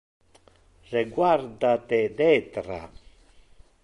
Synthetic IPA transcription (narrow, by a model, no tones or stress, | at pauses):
reɡwaɾd̪at̪ed̪ɛt̪ɾa̰